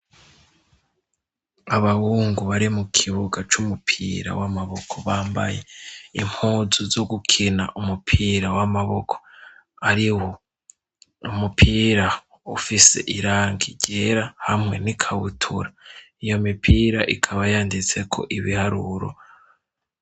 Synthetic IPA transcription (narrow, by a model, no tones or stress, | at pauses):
aβahuːŋɡuβaɾimukʰiβuɡat͡ʃumupʰḭːɾa̰wamaβo̞kʰoβaːmba̰je̞im̥huzuzoɡukʰina̰ʔumupʰiːɾawamaβokʰo̥ | aɾiwo | umupʰiːɾa | ufise̞̰ʔiɾaːŋɡiɟeɾahamŋe̞nikʰawutʰṵɾa | ijo̞mipʰiːɾaʔikʰaβajaːndit͡se̞kʰo̞̰ʔiβihaɾuɾo̰